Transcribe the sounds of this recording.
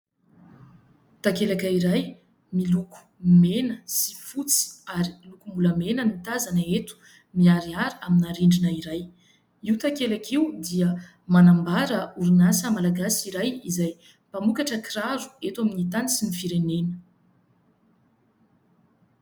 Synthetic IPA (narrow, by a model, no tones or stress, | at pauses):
t̪akelakəiɾaj | miluku̥menəsi̥fut͡si̥aɾilukumbuləmenənit̪azanaet̪u̥ | miaɾiaɾiaminaɾiɳɖ͡ʐinəiɾaj | iwt̪akelakʰiud̪iə | manambaɾəuɾinasəmalaɡasiɾajizaj | pamukaʈ͡ʂəkiraɾu̥et̪waminit̪anisinifiɾenenə̥